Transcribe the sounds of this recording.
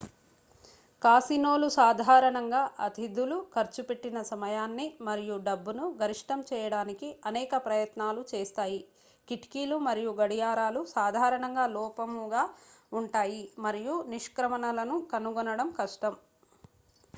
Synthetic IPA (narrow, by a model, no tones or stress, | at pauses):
kaːsinoːlusaːd̪ʱaːɾɐɳɐŋɡaːʔɐt̪id̪ʱulukʰɐɾt͡ʃupeʈːinɐsɐmɐjaːnːimɐɾijuɖɐbːunuɡʱɐɾiʂʈɐmt͡ʃɛːjɐɽaːnikiɐnɛːkɐpɾɐjɐt̪naːlut͡ʃɛːst̪aːji | kiʈkiːlumɐɾijuɡɐɽijaːɾaːlusaːd̪ʱaːɾɐɳɐŋɡaːlɔːpɐmuɡaːuɳʈaːjimɐɾijuniʂkɾɐmɐnɐlɐnukɐnuɡɔnɐɽɐmkɐʂʈɐm